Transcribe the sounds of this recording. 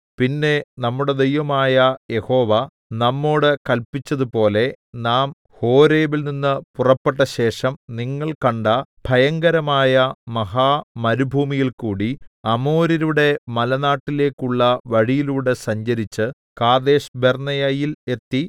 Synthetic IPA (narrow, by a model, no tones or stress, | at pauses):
pinːe̞nɐmːuɽe̞d̪e̞jʋɐmaːjɐje̞ho̞ːʋɐ | nɐmːo̞ːɽɨkɐlpit͡ɕːɐðupo̞ːle̞ | naːm | ho̞ːɾe̞ːʋilninːɨpurɐpːeʈːɐɕe̞ːʂɐmniŋːɐɭkɐɳɖɐbʱɐjɐŋɡɐɾɐmaːjɐmɐɦaːmɐɾubʱuːmijilkuːɽiɐmo̞ːɾiɾuɽe̞mɐlɐnaːʈːile̞ːkːuɭːɐʋɐɻijiluːɽe̞sɐɲd͡ʑɐɾit͡ɕːɨ | kaːd̪e̞ːʂbernɐjajile̞t̪ːi